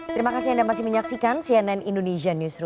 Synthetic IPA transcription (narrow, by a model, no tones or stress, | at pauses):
t̪əɾimakasiandamasɪihməɲaksikansiɛnɛnʔindoneʃanusɾu